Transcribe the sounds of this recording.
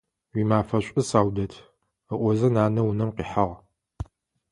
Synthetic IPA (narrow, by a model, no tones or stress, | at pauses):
wʷiːmaːfɐɕʷʼɨsaːwdɐtʰ | əʔʷɔzɐnaːnɐwʊnɐmqiːħaʁ